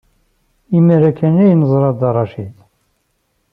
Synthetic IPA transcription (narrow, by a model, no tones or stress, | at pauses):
iməɾækːænæjnəzˤɾˤɑd̪ɑrˤːɑʃil